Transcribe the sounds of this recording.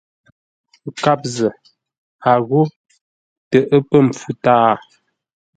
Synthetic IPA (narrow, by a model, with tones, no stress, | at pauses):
ka˦p̚zə˨ | a˨ɣo˦ | tə˨ʔə˦pə˦m̩˨p͡fu˦taː˦˨